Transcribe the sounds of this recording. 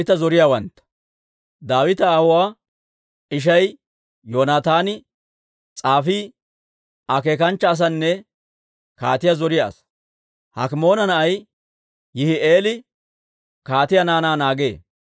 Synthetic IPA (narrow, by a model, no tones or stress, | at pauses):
ɪt̪ɐzɔɾɪjawɐnt̪ːɐ̥ | d̪aːwɪt̪ɐːhʊwaː | ɪʃ̬ɐj | joːnaːt̪aːnɪ | t͡sʼaːfiː | ʔɐke̞ːkɐnt͡ʃːɐːs̬ɐnːɛ | ka̰ːt̪ɪjazɔɾɪja̰ːs | hɐ̰kɪmo̞ːnɐnɐʔɐj | jɪhɪeːlɪ | kaːt̪ɪjɐnaːnaːnaːɡe̞̰ː